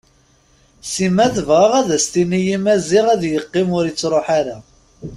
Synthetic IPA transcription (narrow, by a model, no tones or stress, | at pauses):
simæθəvʁɑʁæðæst̪inijimæzɪʁæðjəqːɪmʊɾjit͡sːɾˤoħaɾa